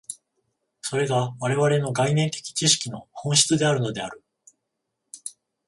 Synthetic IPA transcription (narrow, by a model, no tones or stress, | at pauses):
so̞ɾe̞ɡaβaɾe̞βaɾe̞no̞ɡainẽ̞nt̪e̞̥kʲi̥t͡ɕiɕi̥kʲino̞hõ̞ɰ̃ɕi̥t͡sɨd̪e̞aɾɯ̟no̞d̪e̞a̰ɾɯ̟